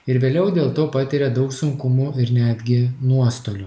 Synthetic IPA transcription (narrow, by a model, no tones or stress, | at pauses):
ɪɾʋʲeːlʲɛʊd̪ʲeːlˠt̪oːpɑt̪ʲɪɾʲɛd̪ɒʊksʊŋkʊmuɪɾnʲæːd̪ʲɡʲɪnuɔst̪oːlʲʊ